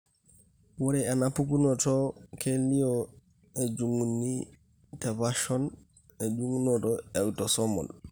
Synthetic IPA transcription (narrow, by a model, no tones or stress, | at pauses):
wɔɾɛanapukunɔtɔkʰelːijɔ | ɛd͡ʒuŋːunːi | tavaʃɔn | ɛd͡ʒuŋːunɔtɔɛwtɔsɔmɔ̰l